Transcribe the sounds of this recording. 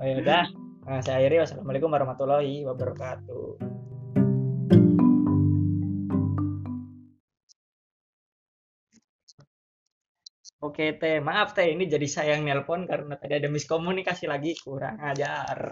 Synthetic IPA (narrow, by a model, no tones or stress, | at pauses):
ojadah | asaaiɾiwasalamalikumaɾumat̪uloiwabərkat̪ṵ | oket̪emaːft̪ɛinid͡ʒadisajaŋnɛlfɔnkaɾənat̪adiadamiskomunikasilaɡikuɾa̰ŋad͡ʒar